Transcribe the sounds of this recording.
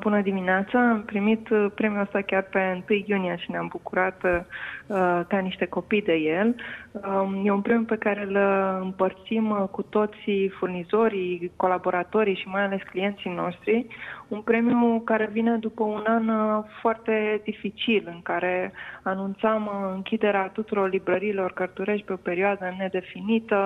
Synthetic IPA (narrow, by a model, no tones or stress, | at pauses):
bunəd̪imineat̪saːmpɾimit̪pɾe̞mjuəst̪akʲarpe̞ɨnt̪ɨjːuniaʃineambukuɾat̪ | d̪aniʃt̪e̞ko̞pijd̪e̞je̞l | je̞unpɾe̞mjupe̞kaɾe̞lɨmpərt̪simkut̪o̞t̪sifurnizo̞ɾiko̞labo̞ɾat̪o̞ɾiʃimajale̞sklije̞nt̪sino̞ʃt̪ɾiunpɾe̞miukaɾe̞vine̞d̪upəunanfoart̪e̞d̪ifit͡ʃilɨŋkaɾe̞anunt̪samɨŋkʲid̪e̞ɾeat̪ut̪uɾo̞rlibɾəɾiːlo̞rkərt̪uɾe̞ʃt̪̚ʲpe̞o̞pe̞ɾioad̪əne̞d̪e̞finit̪ə